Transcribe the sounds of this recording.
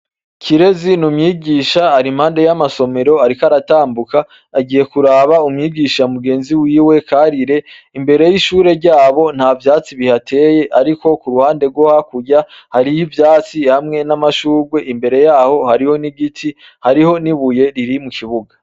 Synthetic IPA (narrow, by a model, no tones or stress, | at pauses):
cʰiɾe̞zinumɲiːɡiːʃaaɾim̥haːnde̞jamaso̞me̞ɾo̞aɾikaɾataːmbukaː | ɡiːje̞kuɾaβaumɲiːɡiʃamuɡe̞ːnziwiːwe̞kʰaɾiɾe̞imbe̞ɾe̞jiʃuːɾe̞ɾɟaːβo̞n̥havjaːt͡siβihatʰe̞ːje̞ʔaɾiko̞kuɾuhaːnde̞ɾɡwo̞hakuɟahaɾijivjaːt͡sihamŋe̞namaʃuːɾɡwe̞ʔimbe̞ɾe̞jaːho̞haɾiho̞niɡitʰi | haɾiho̞niβuje̞ɾiɾimukiβuɡa